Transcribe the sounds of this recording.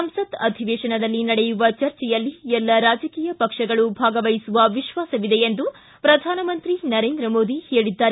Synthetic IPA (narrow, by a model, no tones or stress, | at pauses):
sɐmsɐd̪ɐd̪ʱiʋeːʃɐɳɐd̪ɐlːinɐɽɛjuʋɐt͡ʃɐɾt͡ʃɛjɐlːiɛlːɐɾaːd͡ʒɐkiːjɐpɐkʂɐɡɐɭubʱaːɡɐʋɐjisuʋɐʋiʃʋaːsɐʋid̪eend̪u | pɾɐd̪ʱaːnɐmɐnt̪ɾinɐɾeːnd̪ɾɐmoːd̪iheːɭid̪ːaːɾe